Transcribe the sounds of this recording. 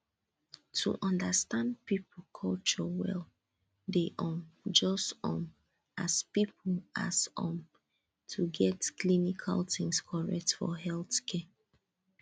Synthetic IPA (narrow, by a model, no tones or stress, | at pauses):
tʰṵʔɔ̃ndəstãndpipl̩kʰɔlt͡ʃɔwɛ̰l | deʔɔ̃md͡ʒɔstɔ̃m | aspipʰl̩a̰sɔ̃m | tʰuɡɛtkʰlinikʰa̰ltĩŋskʰɔɹɛk̚tfɔ̰ɦɛlθkʰɛ